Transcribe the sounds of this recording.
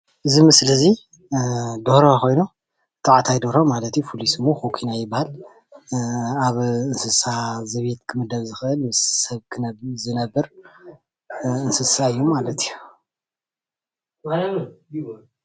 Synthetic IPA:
ʔɨzimɨsɨlɐzi | d̪ohɾoko̞jnu | t̪ʰaʕat̪ʰajd̪oɾomalɐt̪jupʰulisɨmoxokʰinajɪbahal | aβɨnsɨsazɐβet̪kʰɨmɨd̪ɐβzɨxɨʔɨlmɨsːɐβkʰɨzɨnɐbːɨɾ | ɨnsɨsaɨjːomalɐt̪iju

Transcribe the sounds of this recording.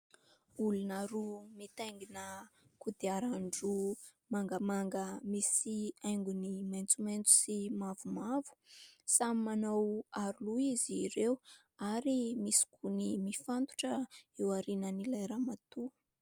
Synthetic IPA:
ulunaɾumit̪ajŋɡinəkud̪iaɾaɳɖ͡ʐu | maŋɡəmaŋɡəmisiajŋɡunimajnt͡sumejnt͡su̥simavumavu̥samimanawaɾuluiziɾew | aɾimisi̥kʰunimifant̪u̥ʈ͡ʂəewaɾinənilajɾamat̪u

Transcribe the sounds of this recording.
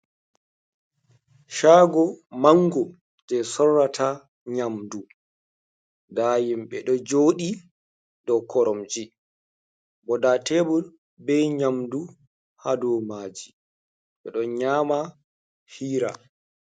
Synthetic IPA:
ʃaːɡɔmaŋɡɔ | d͡ʒɛsɔrːatʰa | ɲamdu | daːjimɓɛɗɔd͡ʒoːɗi | ɗɔkʰɔɾɔmd͡ʒi | bɔdatɛbul | bɛɲamdu | hadɔmaːd͡ʒi | ɓɛɗɔɲaːma | hiːɾa̰

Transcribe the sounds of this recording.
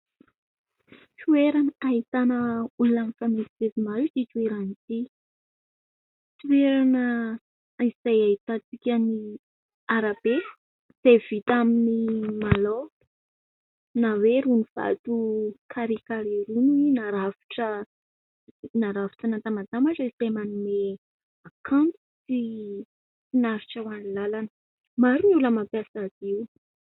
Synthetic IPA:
tueɾanait̪anəulunanifamesivevimalut̪it̪ueɾanit̪i | t̪ueɾanə | iz̥ajaɦit̪at͡sikʲəni | aɾabe | z̥ev̥it̪aminimalo | naweɾuniv̥a̰t̪ukʰaɾikaɾiɾuniinaɾavi̥ʈ͡ʂə | naɾavi̥ʈ͡ʂənat̪amat̪amaʈ͡ʂəiz̥ajmanume | akʰant̪ | si | finaɾiʈ͡ʂəwanilalanə | maɾunuləmapjasaziw

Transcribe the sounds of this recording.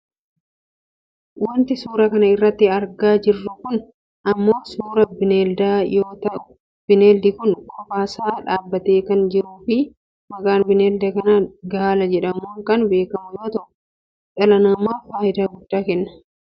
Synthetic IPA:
wɐnt̪ɪsuːɾɐkɐnɐɪrːɐt̪ːɪɐɾɡaːd͡ʒɪrːʊkʊn | ɐmːo̞ːsuːɾɐbɪneːld̪aːjoːt̪ɐʔʊ | b̥ɪneːld̪ɪkʊnkʰʼɔfaːsaːᶑaːbːɐt̪e̞ːkɐnd͡ʒɪɾuːfɪ | mɐkaːnbɪneːld̪ɐkɐnɐɡɐaːlɐd͡ʒɛᶑɐmuːŋkɐnbe̞ːkɐmʊjo̞ːt̪ɐʔʊ | ᶑɐlɐnɐmaːfaːʔɪd̪aːɡʊd̪ːaːkɛnːɐ̥

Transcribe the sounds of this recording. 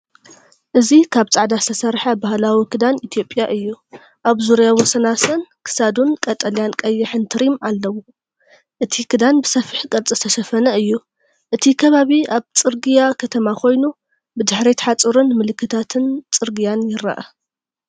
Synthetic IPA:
ʔɨzikʰaβt͡sʼaʕd̪ast̪ʰɐsɐɾħɐbahlawikʰɨd̪anit̪ʰijo̞pʼjaʔɨjːu | ʔaβzuɾjawosɐnasɐnkʰɨ̥sad̪unkʼɐt̪ʼɐljankʼɐjːɪħɨnt̪ʰɨɾimalːɐwu | ʔɨt̪ʰikʰɨd̪anbɨsɐfɨħkʼɐlt͡sʼɨst̪ʰɐʃɐfɐnɐɨjːu | ʔɨt̪ʰikʰɐβaβiaβt͡sʼɨɾɡijakʰɐt̪ʰɐmakʰo̞jnu | bɨd̪ɨħɾit̪ħat͡sʼɨɾunmɨlɨkʰːɨt̪ʰat̪ʰɨnt͡sʼɨɾɡijanjɪɾɐ̰ʔɐ

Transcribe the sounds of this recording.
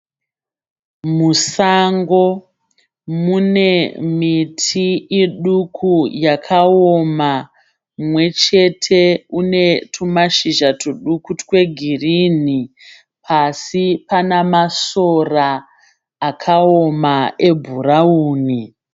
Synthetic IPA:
musaŋɡo̞ | mune̞mitʰiiɗukʰujakʰaoma | mwe̞t͡ʃe̞tʰe̞une̞tʰumaʃiʒatʰuɗukutkwe̞ɡʱirini | pʰasipanamasoraː | kʰaomae̞bʱurauːni

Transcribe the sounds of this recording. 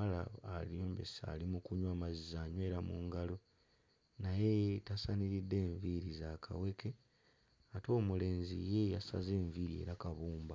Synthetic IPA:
ala̰ːlioːmbesa̰limukuɲwaːmazizaːɲwe̞ːɾamuːŋɡalo | naje̞tasaniɾidːe̞ːɱviɾizakʰa̰we̞ke | ato̞ːmule̞ːnzḭje̞jasa̰ze̞ːɱviːɾie̞̰ɾakaβuːmba

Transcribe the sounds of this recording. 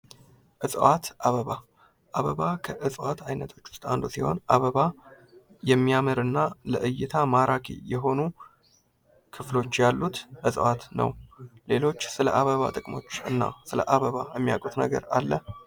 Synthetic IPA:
ʔɨsʼwat̪ʔaβəβa | ʔaβəβakʰəʔɨsʼwat̪ʰajnət̪ʰo̞t͡ʃːʊ̥st̪ʼand̪usiho̞̰nʔaβəβa | jɛmːijamɨɾɨnːaləʔɨjːɪt̪ʰamaɾʔakʰḭjɛɦo̞nu | kʰɨflo̞t͡ʃːjalːut̪ʔɨsʼwat̪nə̰wle̞lo̞t͡ʃːsɨləʔaβəβa̰t̪ʼɨkʼmo̞̰t͡ʃːɨnːa̰sɨlə̰ʔaβəβajɛmːijakʼut̪nə̰ɡə̰ɾalːə

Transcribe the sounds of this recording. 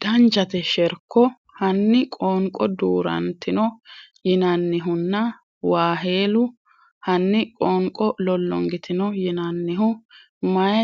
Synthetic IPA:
d̪̥ɐnd͡ʒɐt̪ɛʃɛɾkːɔ | hɐnːɪkʼoŋkʼɔd̪uːɾɐ̰nt̪ɪnɔjɪnɐnːɪɦʊnːɐ | waːɦe̞ːlʊ | hɐnːɪkʼoːŋkʼɔlɔlːɔ̰ŋɡɪt̪ʰɪnɔjɪnɐnːɪɦʊ | mɐjɐ

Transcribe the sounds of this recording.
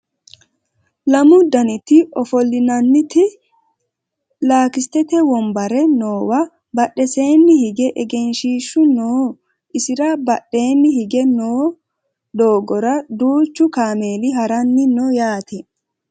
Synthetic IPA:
lɐmʊd̪ɐnɪt̪ɪɔfɔlːɪnɐnːɪt̪ɪ | laːkɪst̪ɛt̪ɛwɔmbɐɾɛnoːwɐ | bɐɗːɛseːnːɪhɪɡɛʔɛɡɛnʃiːʃːʊnoː | ʔɪsɪɾɐbɐɗːe̞ːnːɪhɪɡɛnoː | d̪oːɡɔɾɐd̪uːt͡ʃːʊkaːme̞ːlɪɦɐɾɐnːɪnɔːjaːt̪ʰɛ

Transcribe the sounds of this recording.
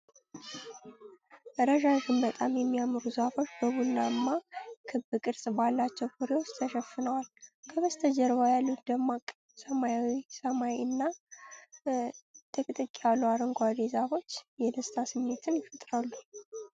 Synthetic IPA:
ɾəʒakɨmbət̪ʼamjɛmːijamːɨɾuzɨhafo̞t͡ʃːbəβunːaɨmːakʰɨbɨkʼɨɾsʼbalːat͡ʃːɛwkʰɨɾewot͡ʃt̪ʰəʃəfːɨnəwalkʰəβəst̪ʰəd͡ʒɛɾβajalːut̪d̪əmakʼ | səmajawisəmajiɨnːa | t̪ʰəkʼɨt̪ʼɨkʼːialːuaɾəŋɡʷad̪ezaβo̞t͡ʃːjɛd̪əst̪ʰasɨmːe̞t̪ʰɨnjɪfət̪ʼɾalːu

